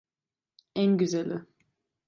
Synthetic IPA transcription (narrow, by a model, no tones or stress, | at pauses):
ænɟyzælʲɪ